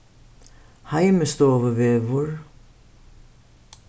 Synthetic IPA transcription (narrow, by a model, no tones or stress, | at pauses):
hajmɪst̪ɔːvʏvɛːvʊɾ